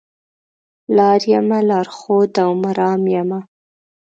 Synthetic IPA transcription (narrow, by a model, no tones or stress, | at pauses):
lɑɾjamalɑːɾxod̪awmaɾɑːmjama